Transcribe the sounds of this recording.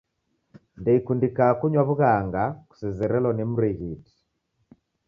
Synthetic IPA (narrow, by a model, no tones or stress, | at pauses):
ndɛikundikakuɲwaβuɣaŋɡaku̥sɛzɛɾɛlɔnimuɾɛɣiti̥